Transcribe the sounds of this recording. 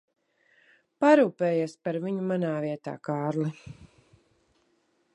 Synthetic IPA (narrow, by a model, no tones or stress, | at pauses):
paɾuːpɛːjespaɾviɲumanaːviɛt̪a̰ːkaːɾli